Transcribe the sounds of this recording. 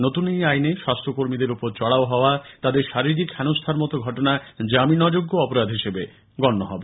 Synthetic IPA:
not̪unejajneʃast̪ʰɾokoɾmid̪eɾupoɾt͡ɕɔɽaoɦɔoat̪ad̪eɾʃaɾiɾikʰɛnost̪ʰaɾmɔt̪oɡʱɔʈonad͡ʑaminɔd͡ʑoɡːoɔpoɾad̪ʱɦiʃebe | ɡɔnːoɦɔbe

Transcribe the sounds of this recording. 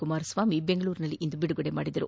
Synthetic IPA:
kumaːɾɐsʋaːmibeŋɡɐɭuːɾinɐlːiʔind̪ubiɽuɡɔɽemaːɽid̪ɐɾu

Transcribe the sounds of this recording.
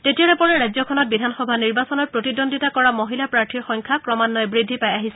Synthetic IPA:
tetijaɹɛpɔɹɛɹajzɔkʰɔnɔt̚bidʱanxɔbʱaniɹbasɔnɔt̚pɹotidondʱitakɔɹamoɦilapɹaɹtʰiɹxɔŋkʰakɹɔmanːɔjbɹidʱːipajaɦisɛ

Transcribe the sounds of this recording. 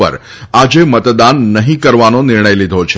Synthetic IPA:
ə̰ɾ | ad͡ʒemət̪d̪anːəɦĩkəɾʋanonɪɾɳ̃əjlid̪ʱot͡ʃʰe

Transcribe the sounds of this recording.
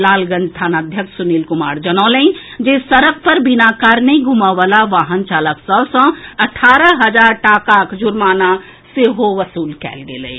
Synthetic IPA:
laːlɡə̃nd͡ʒst̪ʰaːnəd̪ʱjəkʃsʊniːlkʊmaːɾd͡ʒənaːləĩd͡ʒesəɾək̚pəɾbinakaɾnəĩɡʱumaʋalaʋaːɦənt͡ʃaːləksɔsə̃ɐʈʰaːɾəɦəd͡ʒaːɾʈaːkakd͡ʒʊɾmaːna | seɦoʋəsuːlkɛ̰ːlɡḛːlḛː

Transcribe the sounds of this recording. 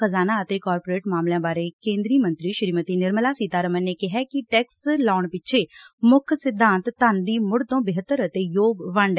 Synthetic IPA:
əzaːnaːət̪eːkɔːɾpoɾeːʈmaːmljãːbaːɾeːkẽːnd̪ɾiːmə̃nt̪ɾiːʃəɾiːmət̪iːnɪɾməlaːsiːt̪aːɾəmənneːkɪɦɛːkɪʈɛːkslaːɳpɪt͡ʃʰeːmʊkʰsɪd̪ʱːãːnt̪ːand̪iːmʊɽt̪õːbɪɦət̪ːəɾət̪eːjoːɡʋəɳɖɛ

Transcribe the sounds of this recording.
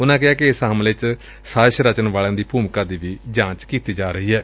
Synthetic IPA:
ʊnãːk̬ɪɦaːkɪɪsɦəmlɪt͡ʃ | saːʃɾət͡ʃənʋaːlãːd̪iːpuːmkãːd̪iːʋiːd͡ʒãːt͡ʃkiːt̪iːd͡ʒaːɾəɦiːɦɛː

